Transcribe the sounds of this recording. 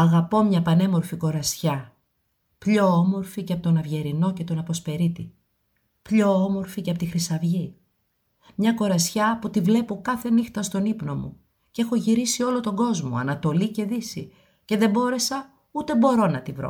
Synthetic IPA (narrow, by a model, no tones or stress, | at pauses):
ɐɣɐpo̞mɲɐpɐne̞mo̞ɾfiko̞ɾɐsçɐ | pʎo̞omo̞ɾficeɐpot̪onɐvʝe̞ɾino̞ce̞t̪o̞nɐpo̞spe̞ɾit̪i | pʎo̞omo̞ɾficeɐpot̪ixɾisɐvʝi | mɲɐko̞ɾɐsçɐput̪ivle̞po̞kɐθe̞nixt̪ɐst̪o̞nipno̞mṵ | ce̞xo̞ʝiɾisio̞lo̞t̪o̞ɡo̞zmo̞̰ɐ̰nɐt̪o̞lice̞ðisi | ce̞ðe̞bo̞ɾe̞sɐ | ut̪e̞bo̞ɾo̞nɐt̪ivɾo̰